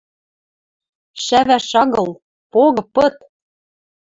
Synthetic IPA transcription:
ʃæβæʃɑɣɤ̆l | poɣɤ̆pɤ̆t̪

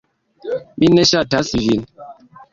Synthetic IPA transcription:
minɛʃatasivin

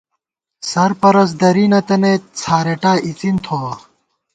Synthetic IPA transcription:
sɐɾpɐɾɐs̬d̪ɐɾinɐt̪ɐnet͡sʰaːɾeʈaːit͡sint̪ʰo

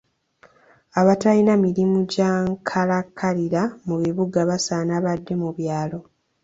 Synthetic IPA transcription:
aβatalinamiɾimuɟaːŋkʰalakʰːaliɾamuβiβuɡaβasaːnaβadːe̞muβjaːlo̞

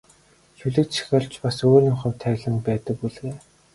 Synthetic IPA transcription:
xuɮɘ̆kt̪ʃʰi̥xʲɔɮt͡ɕpasoːrʲɪŋχə̆wt̪ʰæːɣɮə̆npæːt̪ə̆k̚puɮɣeː

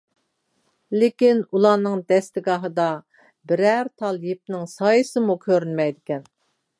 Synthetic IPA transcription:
lɪkʲinulˠɑnɨŋd̪ɛst̪ɪɡɑɦɨd̪ɑ | bɪɾæɾt̪ʰɑlˠjip̚nɪŋsɑːjɨsɨmukʲʰøɾynmɛjd̪ɪkʲɛn

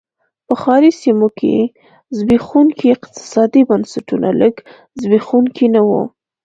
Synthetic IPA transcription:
pəxɑɾisimokʰḛ | zbexunkiɪqt̪ɪ̥sɑd̪ibansaʈuna̰ləɡ | zbexunkʰinawṵ

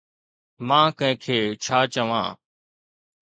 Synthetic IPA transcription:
mãːkə̃ɦɪ̃kʰeːt͡ʃʰaːt͡ʃəʋã̰ː

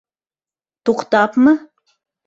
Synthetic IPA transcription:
t̪uqt̪ɑpmə

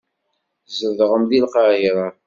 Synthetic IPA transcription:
zəðʁəmðilqɑʕiɾˤɑ

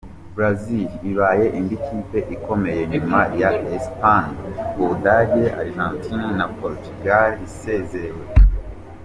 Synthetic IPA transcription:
bɾaziliβaːje̞ʔindikʰiːpe̞ʔiko̞me̞je̞ɲumajaespanuβudaɟe̞ʔa̰ɾʒãːntʰinnapoɾtuɡalise̞ːzewe̞

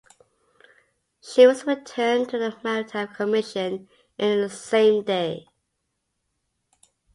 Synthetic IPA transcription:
ʃiwʌzɹɪtʰɜːntʰəðəmaʊtʰakʰəmɪʃɨ̃n | ʔɪ̃nðəsẽɪ̃mdeɪ

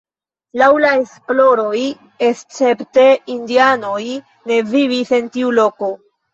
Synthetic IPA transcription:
lawlae̞splo̞ɾo̞j | est͡se̞pte̞indiano̞j | ne̞vivise̞ntiulo̞ko̞

